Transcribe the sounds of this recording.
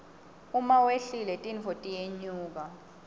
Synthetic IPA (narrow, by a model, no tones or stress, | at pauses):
umaweɬilɛtʼinvotʼijeɲuːk̬a